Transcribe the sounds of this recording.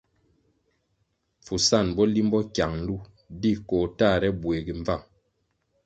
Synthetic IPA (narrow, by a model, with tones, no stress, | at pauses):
fu˨sa˦˨nbɔ˦li˦m˦bɔ˦kja˨ŋn̩˦lu˦ | di˦˨kɔː˨ta˦˨ɾɛ˦bwe˨ɡi˨ɱ˦va˦˨ŋ